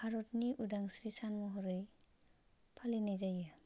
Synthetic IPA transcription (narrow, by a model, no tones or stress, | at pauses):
haɾɔtniʔudaŋsɾisanmɔɦɔɾɯj | pʰalinajzaja